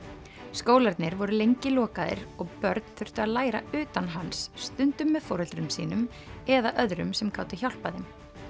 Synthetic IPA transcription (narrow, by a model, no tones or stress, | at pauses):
skoːwlaɾt̪nɪɾvɔɾʏlejɲcɪlɔːkaðɪ̰ɾɔɣpœɾt̪̚n̥θœr̥t̪ʏaðlaːjɾa̰ʏːt̪anɦansːt̪ʏnt̪ʏmːɛðfɔːɾœlt̪ɾʏmsḭːnʏm | ɛðaʔœðɾʏ̰msɛmkaːwt̪ʏçawl̥paðɪm